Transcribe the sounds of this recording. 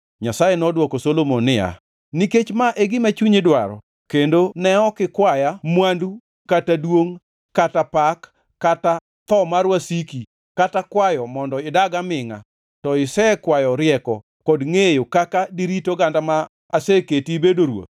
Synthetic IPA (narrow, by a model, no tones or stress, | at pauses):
ɲasajenɔdwɔkosolomonɪja̰ | niket͡ʃmaʔɛɡɪmat͡ʃuɲɪdwaɾɔ̰ | kendonɛɔkɪkwajamwandu | katadwoŋ | katapakː | ata | t̪ɔmarwasiki | katakwajɔmɔndɔɪdaɡamɪŋa̰ | tɔɪsɛkwajɔɾɪjɛkɔ | kɔdŋejokakadiɾitoɡandama | aseketibedoɾwo̰t̪̚